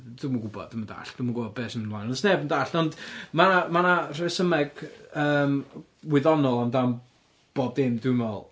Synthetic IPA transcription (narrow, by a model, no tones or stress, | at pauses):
dumaɡʊbɔ̰ddumənda̰ɬd̥umaɡʊbɔbɛːsəmnlˠajnɔnsnɛbndaːɬɔndmanamanar̥ɛsəmɛɡ̥əːm | wɪɨðɔnɔlˠamdam | b̥ɔdɪmdɪmvɛlˠ